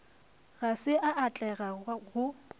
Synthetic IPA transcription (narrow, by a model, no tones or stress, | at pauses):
ɣasɪʔaʔat͡ɬʼɛɣaɣʊ